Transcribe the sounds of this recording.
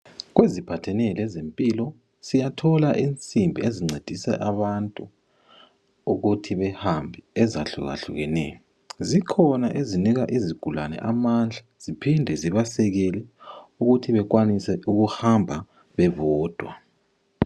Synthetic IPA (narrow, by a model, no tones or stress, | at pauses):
ɣwezipʰatʰɛnɛlɛzempʼiːlɔ | sijatʰɔlaʔint͡sʼimbʱieziŋ͡ǀʱed̥ʱisɛ̰ʔaβantʼu | uɣutʰiβɛhambʱɛɛzaɬṵɣa̰ɬṵɣɛnɛ̰jɔ | zikʰɔnaʔeziniɣaʔiziɡ̥ʱulanɛ̰ʔamand͡ɮʱaz̥ipʰindʱɛziβasɛɣɛlɛuɣutʰiβɛɣwanisɛʔuɣuhambʱa | βɛvɔːd̥ʱwa̰